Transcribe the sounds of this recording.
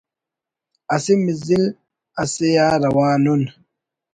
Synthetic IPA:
asimizil | asijaːɾɐwaːnun

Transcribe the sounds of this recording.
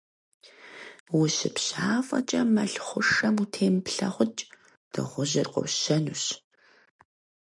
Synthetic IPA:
wʊɕɪpɕaːfɐt͡ʃʼɐmɐɬχʷʊʂɐmutʰeːmpɬɐχʷʊt͡ʃʼ | d̥ɨʁʷʊʑɪrqɔ̰wɕɐnuɕ

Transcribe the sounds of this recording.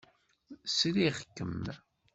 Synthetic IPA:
sɾiʁkːəm

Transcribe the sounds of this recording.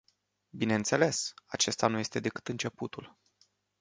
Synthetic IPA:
bine̞ɨnt̪se̞le̞sat͡ʃe̞st̪anuje̞st̪e̞d̪e̞kɨ̥t̪ɨnt͡ʃe̞put̪ul

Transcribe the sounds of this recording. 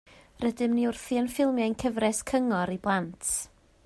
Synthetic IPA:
rədɨmniʊrθiənfɪlˠmjaɨnkʰəvɾɛskʰəŋɔɾiblˠantʰ

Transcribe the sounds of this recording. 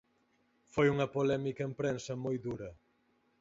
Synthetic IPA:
fojuŋɐpolɛmikɐempɾensɐmojðuɾɐ

